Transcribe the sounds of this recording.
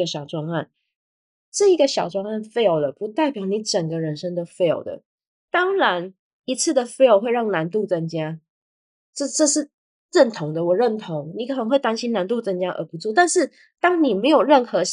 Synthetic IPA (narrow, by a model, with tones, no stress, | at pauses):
ə˧˩ɕjɑ˨˩ʊʈ͡ʂwɑ˥˧ŋa˥˩n | ʈ͡ʂɤ˥˩i˧˥ɡə˧ɕjɑ˨˩ʊʈ͡ʂwɑ˥˧ŋa˥˩nfe˥˧ɪo˧˩ʊlə˩pu˧˥t̪a˥˩ɪpjɑ˧˥ʊni˧˥ʈ͡ʂə˨˩ŋɡə˦ɻə˧˥nʂə˥ŋd̪ə˨fe˥˩ɪo̰˨˩ʊd̪ə̰˩ | t̪ɑ˥ŋɻa˧˥n | i˧˥t͡sʰɹ̩˥˩d̪ə˩fe˥ɪo˧˥ʊxwe˥˧ɪɻɑ˥˩ŋna˧˥nt̪̬u˥˨˩t͡sə˧˥nt͡ɕja˥ | ʈ͡ʂɤ˥˧˩ʈ͡ʂɤ˥˧ʂɻ̩˥˩ | ɻə˥˩nt̪ʰʊ˧˥ŋd̪ə˨wɔ˨˩ɻə˥˩nt̪ʰo˧˥ŋni˨˩kʰnə˧˦ŋwe˥˩ɪt̪a˥nɕi˥nna˧˥nt̪̬u˥˧˩t͡sə˧˥nt͡ɕja˥ʔə̰˧˥pu˧˥t͡su˥˩t̪a˥˧nʂɻ̩˥˩ | t̪ɑ˥ŋni˨˩me˧˥ɪjo˨˩ʊɻə˥˩nxɤ˧˥